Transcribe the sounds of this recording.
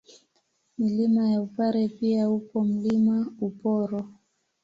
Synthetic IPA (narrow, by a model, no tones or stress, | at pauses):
milimajaupaɾɛpiaupɔm̩limaupɔɾɔ